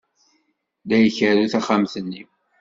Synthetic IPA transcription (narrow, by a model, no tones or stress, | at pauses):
ðæjəçəɾuθæχamθənːi